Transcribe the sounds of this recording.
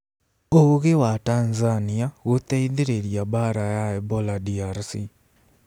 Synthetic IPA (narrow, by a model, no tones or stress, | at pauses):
oɣewatanzaniaɣot̪aiðeɾeɾijabaɾajaɛbɔladiaɾsi